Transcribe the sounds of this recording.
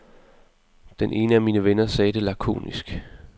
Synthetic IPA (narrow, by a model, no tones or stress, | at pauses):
d̥enʔe̝ːnəæmiːnəʋenɐsɛːd̥e̝lækʰo̝̰ːnisɡ̥